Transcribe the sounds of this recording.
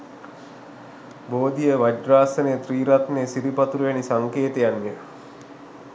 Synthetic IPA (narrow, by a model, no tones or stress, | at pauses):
boːd̪ijəʋad͡ʒraːsəneət̪riːɾat̪neːsiɾipat̪uɾujanisaŋkeːt̪ejanːe